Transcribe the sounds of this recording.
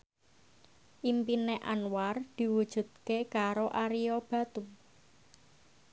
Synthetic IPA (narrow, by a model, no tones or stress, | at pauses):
ʔimpineʔanward̪̥i̤wud̥ʒ̥ṳd̪̚kekaɾoʔaɾiɔb̥ä̤t̪u